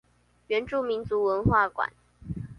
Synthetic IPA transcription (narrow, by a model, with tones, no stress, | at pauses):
ɥɛ˧˥nʈ͡ʂu˥˩mi˨˦˥nt͡su˨˧˥wə˧˥nxwa˥˩kwa̰˨˩˦n